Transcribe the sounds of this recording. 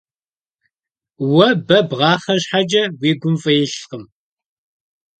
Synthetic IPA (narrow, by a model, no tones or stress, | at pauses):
wɐbɐbʁɑːχɐɕħad͡ʒɐwiːɡʷʊmfʼɐjɪɬqəm